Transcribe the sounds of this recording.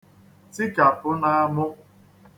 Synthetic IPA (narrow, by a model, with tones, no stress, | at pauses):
ti˦ka˨pʊ˦na˦a˦mʊ˦